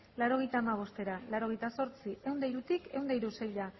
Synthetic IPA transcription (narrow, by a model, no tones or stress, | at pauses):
laɾo̞ɣe̞jt̪aːmaβ̞o̞st̪e̞ɾalaɾo̞ɣejt̪aso̞ɾt͡siʔe̞wnd̪ejɾut̪ikʰe̞wnd̪ejɾusejʎa